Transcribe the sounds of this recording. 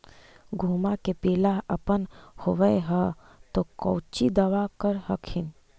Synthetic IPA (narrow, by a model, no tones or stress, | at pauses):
ɡʱuːmakepeːlaɦəpənhoʋəeɦə | t̪okɔːt͡ʃid̪ɐʋakəɾɦəkʰɪn